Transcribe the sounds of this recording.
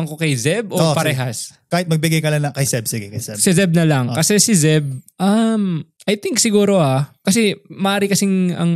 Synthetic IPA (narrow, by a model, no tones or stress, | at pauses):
ɐŋkokɐjzɛb̚ʔoopɐɾɛɦɐskaːhɪt̪̚mɐɡ̚bɪɡajkɐlanɐŋkɐjsɛb̚siɡɛkɐjsɛsɪzɛb̚nɐlɐŋkɐsɛsɪzɛb̚ʔɐam | ʔɐjt̪iŋk̚sɪɡuːɾo̞akɐsɛmɐʔaːɾɪkɐsɪŋɐ̰ŋ